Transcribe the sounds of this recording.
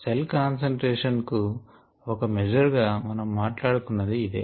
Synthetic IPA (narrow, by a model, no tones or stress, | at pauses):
selkaːnsɐɳʈɾɛːʂɐnku | ɔkɐmɛd͡ʒɐɾɡaːmɐnɐmːaːʈlaːɽukunːɐd̪iːd̪ḛː